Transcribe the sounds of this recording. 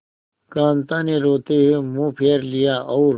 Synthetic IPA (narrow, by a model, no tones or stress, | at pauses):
kaːnt̪aneɾoːt̪ewemũpʰeːɾlijaːʔːɾ